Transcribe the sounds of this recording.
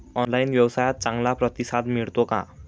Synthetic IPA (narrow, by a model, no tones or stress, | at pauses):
ʌnlajnbjʌwʌsajʌt̪̚t͡saŋlaprʌt̪isad̪miɽt̪okã̰